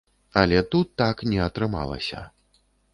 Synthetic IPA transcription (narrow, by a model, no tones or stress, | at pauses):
ɐlʲɛt̪ut̪ːaknʲɛɐt̪ɾɨma̰lˠɐ̰sʲɐ̰